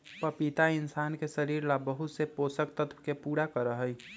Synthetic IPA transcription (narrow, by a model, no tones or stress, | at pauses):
pəpit̪aɪnsaːnkesəɾiɾlabəɦut̪seposəkt̪ət̪ʰkepuɽakəɾəɦəj